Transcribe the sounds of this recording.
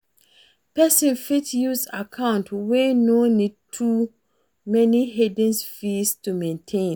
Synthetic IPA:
pɛsɔ̃nfitjusakʰãʊ̃ntwɛnõnĩd̚tʰu | mɛ̃niɦedɨ̃nsfistʰumɛ̃ntʰẽn

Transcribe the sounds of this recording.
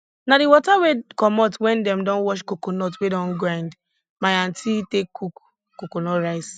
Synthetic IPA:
naɾiwɔtawekɔmɔtwɛ̃ndɛmdɔ̃nwɔʃkokonɔtwedɔ̃nɡɹãɪ̃nd | maãntʰitekʰːuk | kːokonɔɹaɪs

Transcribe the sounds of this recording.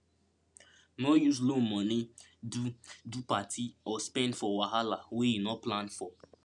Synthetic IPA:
nɔjuzlõmɔni | dudupatʰiɔspɛ̃ndfɔwaɦalawejinɔplãnfɔ

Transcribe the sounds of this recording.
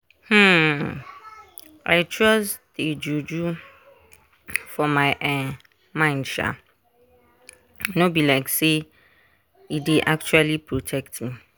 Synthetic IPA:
hm̩ | a̰ɪt͡ʃʰɹɔzded͡ʒud͡ʒu | fɔmaɪʔɛ | mãɪ̃ndʃa̰ | nobilaɪkse | ideʔak̚t͡ʃualipʰɹotʰɛk̚tmĩ

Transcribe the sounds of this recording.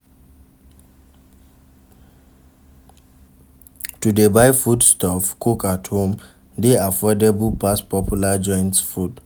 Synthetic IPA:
tudebaɪfudstɔfkʰukathõm | deafɔdɛbəpaspɔpʰjulad͡ʒɔ̃ɪ̃ntsfud

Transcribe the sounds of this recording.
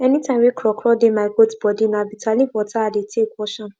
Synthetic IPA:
ɛnĩtãmwikʰɾɔkʰɾɔdemaɡotbɔdĩnãbitʰalĩwɔtaadetʰekʷɔʃã

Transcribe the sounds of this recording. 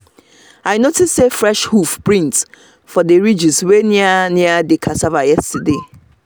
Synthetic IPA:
ajnotʰɪssefɾɛʃhufpɹĩnt | fɔdeɹid͡ʒiswenĩanĩadekʰasavajɛstade

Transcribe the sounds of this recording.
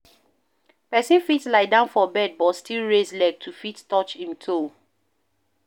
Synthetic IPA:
pɛsĩnfitslaɪdãʊ̃nfɔbɛd̚bɔtstʰilɹeslɛɡ̚tʰufittɔt͡ʃĩntʰo

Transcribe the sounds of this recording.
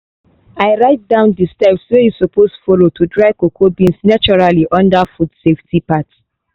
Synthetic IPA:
aɪɹaɪt̚dãʊ̃ndistaɪpswojusopostfɔlotʰudɹaɪkokʰobĩnsnat͡ʃɔɹaliʔɔ̃ndafudseftʰipat

